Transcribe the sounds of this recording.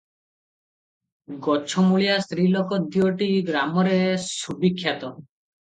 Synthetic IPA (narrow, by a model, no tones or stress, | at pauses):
ɡɔt͡ʃʰɔmuɭijasɾilɔkɔd̪iɔʈiɡɾamɔɾesubikʰːjat̪ɔ